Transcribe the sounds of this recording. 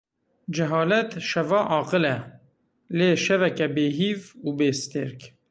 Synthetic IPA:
d͡ʒɛɦɑːlɛt̪ʃɛvɑːʔɑːqɨlɛ | leːʃɛvɛkɛbeːɦiːvuːbeːst̪eɾk

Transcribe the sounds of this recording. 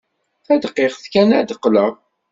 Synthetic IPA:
θæd̪qːeʁθkænæd̪əqːləʁ

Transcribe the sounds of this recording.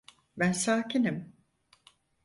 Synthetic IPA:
bænsaːcʰinim

